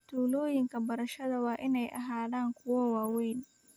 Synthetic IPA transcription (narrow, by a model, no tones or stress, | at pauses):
t̪ʰuːlɔːjɪŋkʰɐbɐɾɐʃɐðɐwɑːʔɪnɛjʔɐ̰ɦaːðaːŋkʰʊwɐwaːwɛjn